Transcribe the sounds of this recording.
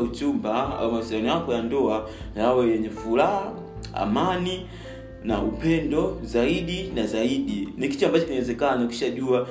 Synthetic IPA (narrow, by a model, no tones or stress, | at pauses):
utumbaa̰wumasianijakɔjandɔa | jawɛjɛɲɛfulaɦa | a̰mani | na̰ʔupɛndɔzaiɗinazaiɗiniki̥t͡ʃambat͡ʃɔkinwɛzɛkanaku̥ʃaʄua